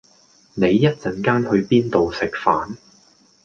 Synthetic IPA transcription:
ne˨˧jːɐ˥t̚t͡sɐ˨˩nkaː˥nhɵ˨˧ɥpiː˥nt̪o˨wsɪ˨k̚faː˨˥n

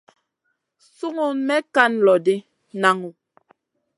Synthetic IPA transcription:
su˦ŋu˨mɛ˦ka˦n˦lɔ˨de˦ | na˨ŋu˨

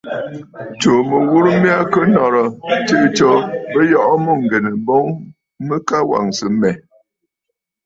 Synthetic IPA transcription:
t͡ʃo˨mə˨wu˦ɾmi˦a˦kə˦nɔ˨ɾɔ˨t͡ʃe˦t͡ʃɔ˨bə˦jɔ˨ʔɔ˦mo˦˨ŋ̩˨ɡɛ˨nə˨bɔ˦ŋ | mə˦ka˦wa̰˨ŋsə˨mɛ˨

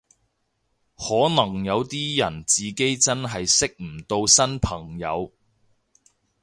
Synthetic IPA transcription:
hɔː˨˥nɐ˨˩ŋjɐ˨˧wt̪iː˥jɐ˨˩nt͡siː˨ke˥jt͡sɐ˥nɦɐ˨jsɪ˥k̚m̩˨˩t̪o˧wsɐ˥npʰɐ˨˩ŋjɐ̰˨˧w

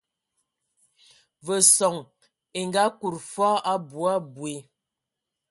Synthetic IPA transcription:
və˨sɔ˨ŋ | e˨ŋɡa˨˦ku˨ɾfɔ˦a˦bu˨a˦bwe˨

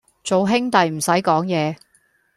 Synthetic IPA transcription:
t͡so˨wɦɪ˥ŋt̪ɐ˨jm̩˨˩sɐ˨˥jkɔː˨˥ŋjɛː˨˧

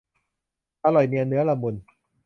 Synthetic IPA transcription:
t̪a˧lɔ˨˩jmi˧a˧nɯ˦˥ɐla˧mu˧n

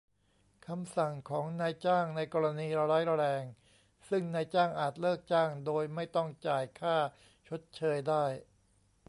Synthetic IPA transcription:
kʰa˧msa˨˩ŋkʰɔː˩˦ŋnaː˧jt͡ɕaː˥˩ŋna˧jkɔː˧ɾa˧niː˧ɾa˧ɾa˦˥jɾa˧ɾɛː˧ŋ | sɯ˥˩ŋnaː˧jt͡ɕaː˥˩ŋʔaː˨˩t̪̚lɤː˥˩k̚t͡ɕaː˥˩ŋdoː˧jma˥˩jt̪ɔ˥˩ŋt͡ɕaː˨˩jkʰaː˥˩ | t͡ɕʰo˦˥t̪̚t͡ɕʰɤː˧jdaː˥˩j

